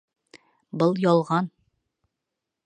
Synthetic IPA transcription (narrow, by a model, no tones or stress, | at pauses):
bɤlˠjɒlˠʁɑn